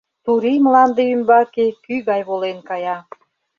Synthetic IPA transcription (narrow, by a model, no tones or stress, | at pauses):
t̪uɾimlɑnd̪eymbɑkekyɣɑjβolenkɑjɑ